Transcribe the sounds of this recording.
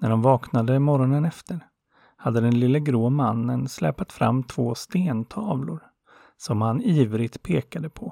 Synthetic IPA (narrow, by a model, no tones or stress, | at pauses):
næɖɔmvɑːknad̪əmɔɾɔnənɛft̪əɾ | had̪ːəd̪ɛnlɪlːəɡɾoːmanːənslɛ̰ːpat̪fɾa̰mːt̪ʰv̥oːst̪eːnt̪ʰɑːvlʊɾ | sɔmhaniːvɾɪɡt̪pʰeːkad̪əpʰɔ